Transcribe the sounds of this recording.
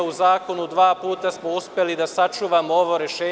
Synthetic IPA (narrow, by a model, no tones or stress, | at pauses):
uzaːko̞nud̪ʋaːpuːt̪asmo̞uspʲjelid̪asat͡ʃuːʋamooʋo̞ɾeʃeː